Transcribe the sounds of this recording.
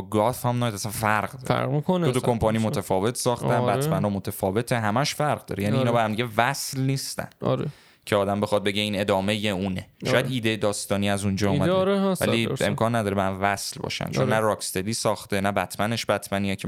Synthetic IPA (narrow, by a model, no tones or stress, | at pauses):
ɡɒfhæmnɒjd̪æsænfæɾɢd̪ɒɾæ̰ɾmikond̪ot̪okʰo̞mpʰɒnimot̪ʰæfɒːve̞t̪ʰsɒːxt̪ænbæmænɒmot̪ʰæfɒːve̞t̪ʰeɦæmæʃfæɾʁd̪ɒ̰ːɾejæːniinɒːbehæmd̪iɟevæslniːst̪æ̰n̰ɾḛ | cʰeɒːd̪æmbe̞xɒd̪̚be̞ɟe̞iːne̞d̪ɒːmejeuːneʃɔːjæd̪iːd̪ejed̪ɒːst̪ɒːniæzund͡ʒɒːumæɾvæ̰liemkʰɒːnːæd̪ɒːɾeæhæmvæslbɒ̰ʃæ̰nt͡ʃonnːærɒːkst̪ed̪iːsɒːxt̪enæbæt̪ʰmæneʃbæt̪ʰmæniɛcʰe